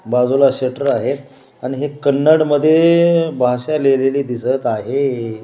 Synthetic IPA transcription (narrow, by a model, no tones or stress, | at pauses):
bad͡zulaɕəʈəɾaɦet̪ | aɽ̃iɦekənːəɽməd̪ʱːjebʱaɕaleleliːd̪isət̪aɦe